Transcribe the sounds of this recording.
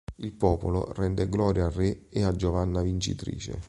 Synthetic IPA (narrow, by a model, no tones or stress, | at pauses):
ilpɔːpolo̰rɛnd̪eɡlɔːɾjaːreead͡ʒovanːavint͡ʃḭt̪ɾḭːt͡ʃḛ